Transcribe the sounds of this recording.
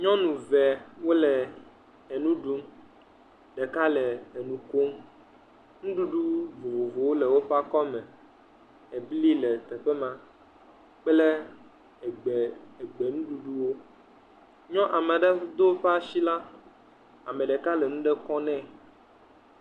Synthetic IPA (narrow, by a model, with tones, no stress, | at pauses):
ɲɔ̃˦nũ˨vɛ˨wo˦lɛ˨ | e˨nũ˦ɖu˦m | ɖɛ˨ka˦lɛ˨e˨nũ˨ko˦m | nũ˦ɖu˦ɖu˦vo˨vo˨vo˨wo˦lɛ˨wo˦ɸa˦kɔ˦mɛ̃˨ | e˨bli˦lɛ˨t̪ɛ˨ɸɛ˦mã˦ | k͡plɛ˦˨ | ɡ͡bɛ˨e˨ɡ͡be˨nũ˦ɖu˦ɖu˦wo˦ | ɲɔ̃˦ʔa˨mɛ˨ɖɛ˦d̪o˦ɸa˦ʃi˦la˦ | a˨mɛ̃˨ɖɛ˨ka˦lɛ˨nũ˦ɖɛ˦kɔ̃˦nɛ̃˦